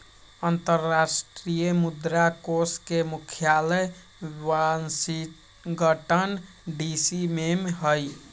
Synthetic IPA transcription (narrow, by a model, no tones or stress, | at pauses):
ənt̪əɾːasʈɾijəmud̪ɾakoskemukʰjalə | wansiʈ | ɡəʈən | ɖisimemɦəj